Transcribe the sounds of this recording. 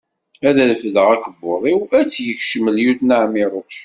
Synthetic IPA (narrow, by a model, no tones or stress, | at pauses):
æðæðfəðəʁækəbːʊʁˤiwæt͡sːjəçʃəməljuθnaʕmiɾˤo